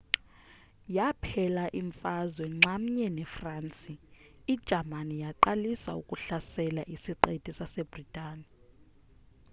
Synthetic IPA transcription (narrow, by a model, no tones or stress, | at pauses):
japʰɛlaʔiɱfazwɛŋ͡ǁam̩ɲɛnɛfraːnt͡sʼiid̥ʒ̥ʱamanijaǃalisaukʼuɬasɛlaʔisiǃetʼisasɛbritʼaːni